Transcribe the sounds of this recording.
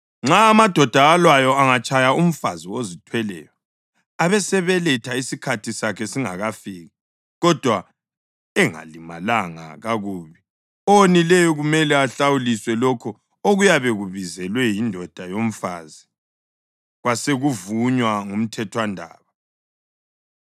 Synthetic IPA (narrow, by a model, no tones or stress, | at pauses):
ŋ͡ǁaːmad̥ʱɔd̥ʱaːlwajɔaŋat͡ʃʼajaum̩faziwozitʰwɛlɛ̰ːjɔ | aβɛsɛβɛlɛtʰaisikʰatʰisakʰɛsiŋaɣafiːɣa | ɣɔd̥ʱwa | ɛŋa̰limalaŋa̰ɣaɣuːβi | ɔonilɛjɔɣumɛlɛaɬawuliswɛlɔkʰɔ | oɣujaβeɣuβizɛlwɛjindʱɔd̥ʱajom̩fa̰ːzi | ɣwaseɣuvuɲwaŋum̩tʰɛtʰwandʱa̰ːβa